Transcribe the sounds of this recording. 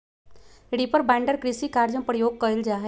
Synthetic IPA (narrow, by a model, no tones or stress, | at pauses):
ɽipəɾbɛ̃ːɳɖəɾkɾɪsikaːɾd͡ʒə̃pɾəjoːɡ̚kəɪld͡ʒaːɦɛ